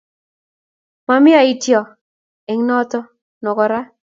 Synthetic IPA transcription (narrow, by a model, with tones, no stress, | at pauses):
ma˨mɪ˦a˨i˦tjɔ˨ | e˨ŋ˦nɔ˦t̪ɔ˦ | nɔ˨kɔ˨ɾa˦